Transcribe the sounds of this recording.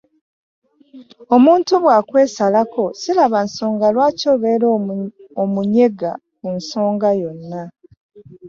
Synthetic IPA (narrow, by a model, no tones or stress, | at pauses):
o̞muːntuβwaːkwe̞ːsalako̞silaβanso̞ːŋɡalwaːco̞ːβeːɾoomuɲe̞ɡa | kunso̞ːŋɡajo̞nːa